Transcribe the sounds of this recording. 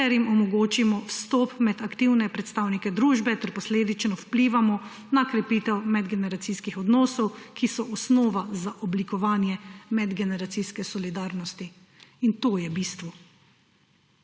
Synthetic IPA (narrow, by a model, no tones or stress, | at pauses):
ɛɾjimɔmɔɡoːt͡ʃimɔwst̪ɔpmɛd̪akt̪iwnɛpɾɛt̪st̪aːwnikɛd̪ɾuːʒbɛt̪ɛɾpɔsleːd̪it͡ʃnɔwpliːʋamɔ | nakɾɛpiːt̪ɛwmɛd̪ɡɛnɛɾat̪siskixɔd̪nɔːsɔwkʰisɔʔɔsnɔːʋazaʔɔblikɔʋaːnjɛmɛd̪ɡɛnɛɾat̪siskɛsɔlid̪aːɾnɔst̪i | int̪oːjɛbiːst̪ʋu